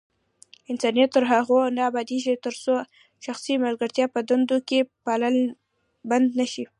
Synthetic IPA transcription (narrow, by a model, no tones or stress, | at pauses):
ɪnsɑnjat̪ːəɾɦaɣonaabɑd̪eʒit̪əɾso | ʃaxsimalɡəɾt̪jɑpəd̪and̪okepaləl | band̪naʃi